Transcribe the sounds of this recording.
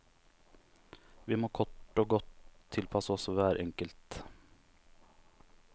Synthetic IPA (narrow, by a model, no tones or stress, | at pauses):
ʋɪmoːkʰɔʈːoːɡɔt̪ʰːɪlpʰɑsəɔsʋæːɾʔɛŋkəlt̪